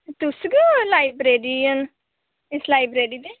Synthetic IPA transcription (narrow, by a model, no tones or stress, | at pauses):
t̪ʊsɡəlaːibɾeːɖiːən | ɪslaːibɾeːɖiːd̪eː